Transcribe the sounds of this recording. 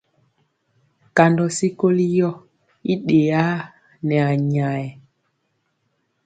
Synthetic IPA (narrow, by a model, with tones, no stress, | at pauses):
ka˨ndɔ˨si˦ko˦li˦jɔ˦ | i˦ɗe˨a˦ | nɛ˨a˨ɲa˨jɛ˨